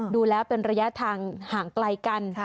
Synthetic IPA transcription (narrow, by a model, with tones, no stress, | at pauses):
duː˧lɛː˦˥wpe˧nɾa˧ja˦˥t̪ʰaː˧ŋhaː˩˦ŋkla˧jka˧n